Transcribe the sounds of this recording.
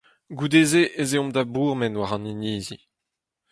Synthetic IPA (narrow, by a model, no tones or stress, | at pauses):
ɡud̪eːzeʔezeɔ̃md̪abuːʁmɛnwaʁɑ̃niniːzi